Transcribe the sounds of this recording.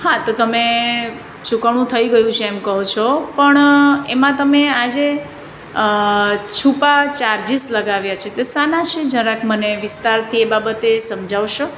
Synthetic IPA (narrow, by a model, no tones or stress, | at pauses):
hãt̪ot̪əme | t͡ʃukaɽ̃ũt̪ʰəiɡəjũt͡ʃʰeemkəɦot͡ʃʰopəɳemãt̪əmead͡ʒe | t͡ʃʰupat͡ʃaɾd͡ʒisləɡaʋjat͡ʃʰet̪esanat͡ʃʰed͡ʒə̃ɾãkʰməneʋɪst̪aɾt̪ʰiebabət̪esəmd͡ʒaʋʃo